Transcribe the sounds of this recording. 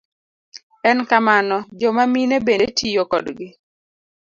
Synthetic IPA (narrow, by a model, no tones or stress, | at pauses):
ɛnkamanɔd͡ʒɔmaminebeetʰijokɔdɡɪ